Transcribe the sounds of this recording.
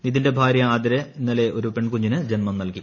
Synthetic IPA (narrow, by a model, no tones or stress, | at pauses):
niðinde̞bʱaːɾjɐaːd̪ɐɾɐinːɐle̞ʔo̞ɾupe̞ɳkuɲːinɨd͡ʑenmɐmnɐlki